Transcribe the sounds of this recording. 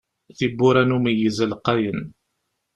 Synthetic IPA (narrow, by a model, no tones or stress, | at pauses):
θibuɾanumijəzəlqːɑjən